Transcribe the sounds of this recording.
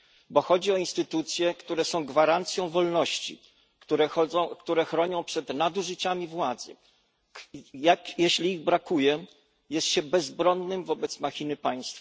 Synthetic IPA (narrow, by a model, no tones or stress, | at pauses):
bɔxɔd͡ʑiɔinst̪ɘt̪ut̪sʲjɛkt̪uɾɛsɔ̃w̃ɡvaɾant̪sʲjɔ̃w̃vɔlnɔɕt͡ɕḭ | kt̪uɾɛɔɔkt̪uɾɛxɾɔɲɔ̃w̃pʂɛd̪nad̪uʐɘt͡ɕamʲivwad̪zɘ̰ | jakjeɕlʲiːɣbɾakujɛ | jɛst̪ɕɛbɛzbɾɔnːɘmvɔbɛt̪smaxʲinɘpaj̃st̪fa